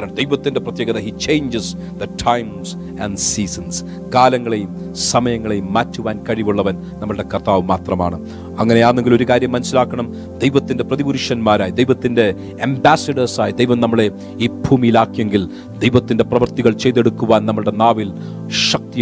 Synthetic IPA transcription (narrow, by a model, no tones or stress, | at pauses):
ɾɐɳɐd̪ejʋɐt̪ːinde̞prɐt̪jeːɡɐðɐhiːt͡ɕe̞jɲd͡ʑis | ðɐtʰɐjms | ɐɳɖsiːsɐns | kaːlɐŋːɐɭejum | sɐmɐjɐŋːɐɭejumːaːtːuʋaːnkɐɻiʋuɭːɐʋɐn | nɐmːɐɭɨɽe̞kɐrt̪aːʋɨmaːt̪rɐma̰ːɳɨ | ɐŋːɐneaːrneŋɡilo̞ɾukaːɾjɐmːɐnɐsilaːkːɐɳɐm | d̪ejʋɐt̪ːinde̞prɐðibuɾuʂɐnmaːɾaːjid̪ejʋɐt̪ːinde̞ | ɐmbaːsɐɖɐrsaːjid̪ejʋɐmnɐmːɐɭe̞ | iːbʱuːmijilaːkːijeŋɡil | d̪ejʋɐt̪ːinde̞prɐʋɐrt̪iɣɐɭt͡ɕe̞jðeɽukːuʋaːnnɐmːɐɭɽe̞naːʋil | ʂɐk̚t̪i